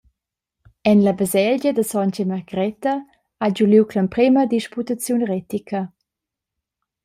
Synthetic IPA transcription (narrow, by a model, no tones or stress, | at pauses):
ɛnləbəzɛlɟəd̪əsɔncemaʁɡɾɛtɐ | ad͡ʒuliwkʰləmpɾiməd̪iʃput̪at͡sjunʁɛtikʰə